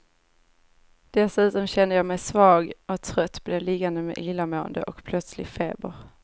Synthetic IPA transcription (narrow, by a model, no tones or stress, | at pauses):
d̪̥ɛsʉ̟ːt̪ɔmɕɛnd̪əjɑːmɛjsvɑːɡʔɔkt̪ʰɾœt̪ːblɛlɪɡand̪əmḛːʔɪlːamoːə̰nd̪ə̰ʔɔkpʰlœt̪slɪ̰feːbəɾ